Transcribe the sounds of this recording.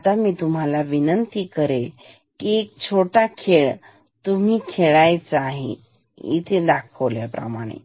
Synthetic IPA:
t̪amiːt̪um̤alaʋinənt̪ikəɾel | kiek̚t͡ɕʰoʈakʰeɭ | t̪um̤iːkʰeɭajt͡saɦḛ | ḭt̪ʰed̪akʰəʋljapɾə̰maɽ̃ḛ

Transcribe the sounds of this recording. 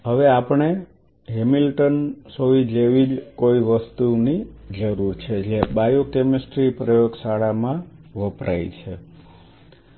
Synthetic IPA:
ɦəʋeapɳe | ɦemilʈənsoʋid͡ʒeʋid͡ʒkoiʋəst̪unid͡ʒəɾuɾt͡ʃʰed͡ʒebajokemisʈɾipɾəjoɡsaɽamãʋəpɾʔa̰jt͡ʃʰe

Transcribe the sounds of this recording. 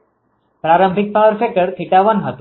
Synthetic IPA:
pɾaɾə̃mbʱik̚paɾfekəɾt̪ʰiʈaʋənɦət̪

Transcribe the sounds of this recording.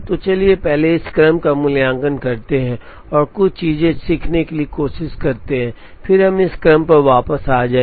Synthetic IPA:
t̪ot͡ʃɐliepɛɦleɪskɾəmkamʊljãːŋɡənkɐɾt̪eɦɛ̃ | ɔːɾkʊt͡ʃʰt͡ʃiːzẽsiːkʰnekeliekoːʃɪskɐɾt̪eɦɛ̃ː | fʰɪɾɦɐmɪskɾəmpɐɾʋaːpəsaːd͡ʒaː

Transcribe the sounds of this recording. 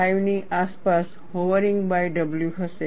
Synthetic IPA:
ajʋniʔaspas | hoʋəɾiŋɡbajɖəbljuɦəse

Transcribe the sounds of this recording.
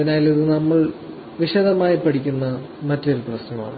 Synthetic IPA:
ɐɐnaːjliðɨnɐmːɐɭ | ʋiɕɐðɐmaːjipːɐɽʰikʲːunːɐ | mɐtːo̞ɾuprɐsnɐma̰ːɳɨ

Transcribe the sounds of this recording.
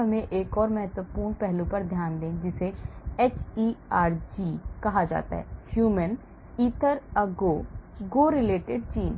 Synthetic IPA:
əmẽʔeːkɔːɾmɛɦət̪ʋəpuːɳpɛɦlũpəɾd̪ʱjaːnd̪ẽːd͡ʒɪseːɛːt͡ʃiːaːɾd͡ʒiːkɐɦad͡ʒa̰ːt̪a̰ːɦɛ̰ːhjuːmən | iːt̪ʰəɾəɡoːɡoːɾɪleːʈɪɖ̚t͡ʃiːn

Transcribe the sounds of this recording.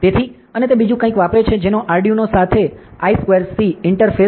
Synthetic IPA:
t̪et̪ʰi | ənet̪ebid͡ʒũkə̃ĩkʋapɾet͡ʃʰed͡ʒenoʔaɾɖijunosat̪ʰeaiskʋeɾsiɪɳʈəɾfe

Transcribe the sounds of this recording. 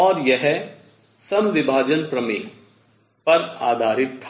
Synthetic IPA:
ɔːɾjɛɦɛ | sɐmʋɪbʱaːd͡ʒənpɾɐmeːk | pɐɾa̰ːd̪ʱaːɾɪt̪̚t̪ʰːa

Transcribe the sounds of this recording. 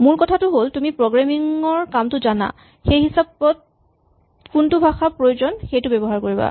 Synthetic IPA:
muɹkɔtʰatʊɦoltumipɹoɡɹamiŋɔɹkamtʊzana̰ | xejɦisabɔt̚ | kuntʊbʱaxapɹojozɔnxejtʊbɛbɔɦaɹkoɹiba̰

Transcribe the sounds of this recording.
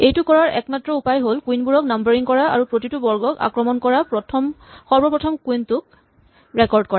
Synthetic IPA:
ejtʊkɔɹaɹʔɛ̰kmatɹɔupajɦolkwinbuɹɔk̚nambaɹiŋkɔɹaa̰ɹupɹotitubɔɹɡɔka̰kɹɔmɔnkɔɹapɹɔtʰɔmxɔɹbɔpɹɔtʰɔmkuintʊk̚ | ɹɛkɔɹd̚kɔɹa

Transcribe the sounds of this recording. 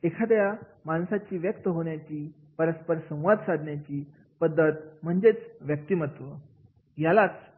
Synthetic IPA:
ekʰad̪əja | mansat͡ɕiːʋjək̚t̪əɦoɳjat͡ɕiː | pəɾəspəɾsə̃w̃ʋad̪ʱsad̪ʱɳjat͡ɕiː | pəd̪ʱːət̪̚m̤əɳd͡zet͡sʋjək̚t̪iːmət̪ʋə | jalat͡s

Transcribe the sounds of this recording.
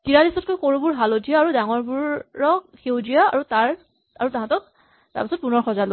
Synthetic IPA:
kiɹadisɔt̚kojkoɹubuɹɦalodʰʱijaaːɹudaŋɔɹbuɹːɔk̚xewdijaa̰ɹutaɹ | aɹutaɦãtɔk̚ | ta̰ɹpasɔt̚punɔɹxɔzalo

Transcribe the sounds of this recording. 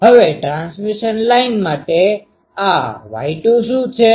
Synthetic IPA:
ɦəʋeʈɾansmiʃənlainmaʈe | aʋa̰iʈũʃũt͡ʃʰe

